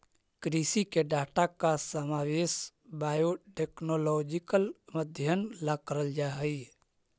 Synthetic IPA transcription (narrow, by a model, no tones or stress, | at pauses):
kɾisikeɖaːʈakasəmaweːs | bajoʈeknolɔd͡ʒikəlməd̪ʱjənlakəɾəld͡ʒaɦəi